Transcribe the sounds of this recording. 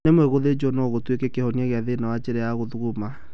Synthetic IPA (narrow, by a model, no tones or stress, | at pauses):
nemwɛɣoðed͡ʒɔnɔɣotwekekehɔniɛɣeaðenawat͡ʃeɾɛjaɣoðuɣoma